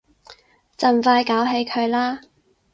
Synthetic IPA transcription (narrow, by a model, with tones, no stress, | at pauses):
t͡sɐ˨˩nfaː˧jkaː˨˥wɦe˨˧jkʰɵ˨˧ɥlaː˥